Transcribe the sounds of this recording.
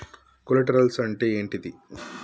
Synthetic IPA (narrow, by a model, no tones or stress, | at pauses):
kolɐʈɐɾɐlsɐɳʈeːeːɳʈid̪i